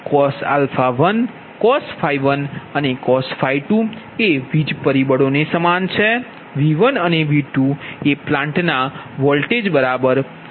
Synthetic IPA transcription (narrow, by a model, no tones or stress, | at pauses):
kɔsa̰lfaʋən | kɔsfʰaiʋənənekɔsfʰaiʈu | eʋid͡ʒpəɾibəɽonesəmant͡ʃʰe | ʋiʋənəneʋiʈueplãɳʈna | ʋɔlʈed͡ʒbəɾabəɾ